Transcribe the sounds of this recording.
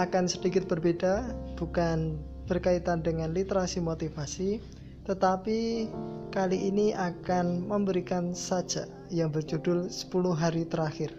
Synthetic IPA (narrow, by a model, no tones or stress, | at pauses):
akansədikɪt̪̚b̥ərbed̥ab̥ukan | b̥ərkait̪andəŋanlit̪əɾasimot̪ifasi | t̪ət̪api | kaliʔiniʔakanməmbəɾikansad̥d͡ʒ̥aʔ | jaŋbərd͡ʒudʊlsə̥pulʊɦaɾit̪əɾaxɪr